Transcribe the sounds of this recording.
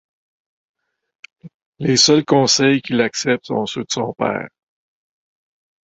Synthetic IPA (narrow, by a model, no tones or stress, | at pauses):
lesœlkɔ̃ːsɛjkʲilaksɛp̚t̪sɔ̰̃sød̪əsɔ̃pɛ̰ːʁ